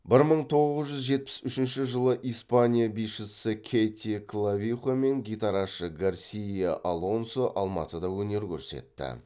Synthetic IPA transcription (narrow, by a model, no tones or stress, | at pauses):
bɪɾməɴt̪ʰo̞ʁəzʒʏzʒe̞t̪̚pɪ̥sʏʃɪnʃɪʒəlˠəʔijspanʲijabijʃɪsɪkʲʰejt̪ʲikʰlˠavʲiχome̞ŋɡʲijt̪ɑɾɑʃəɡarsʲijaʔalˠo̞nsoʔɑlˠmɑ̰t̪əd̪ɑwɵne̞ɾkʲʰɵ̰ɾse̞̰t̪ːɪ̰